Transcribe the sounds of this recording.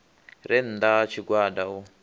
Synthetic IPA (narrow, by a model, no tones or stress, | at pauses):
ɾɛn̩d̪at͡ʃʰiɡwadau